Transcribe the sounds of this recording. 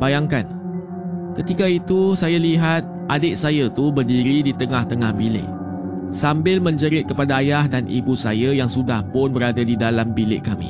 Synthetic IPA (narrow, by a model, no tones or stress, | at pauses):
bajaŋkan | kət̪ikait̪usajaliɦat̪̚ʔadɪʔ̚sajat̪ubərdiɾidit̪əŋaht̪əŋahbilɪ̰ʔ | sambɪlmə̃ɲd͡ʒəɾɪt̪̚kəpadaːjahdanʔḭbusajajaŋsudahpʊnbəɾadadidalambilɪ̰ʔkamḭ̃